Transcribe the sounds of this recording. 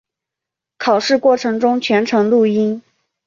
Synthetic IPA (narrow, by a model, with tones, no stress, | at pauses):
kʰɑ˨˩ʊʂɻ̩˥˧kwɔ˥˩ʈ͡ʂʰɤ˧˥ŋʈ͡ʂʊ˥ŋt͡ɕʰɥɛ˧˥nʈ͡ʂʰɤ˧˥ŋlu˥˩i˥n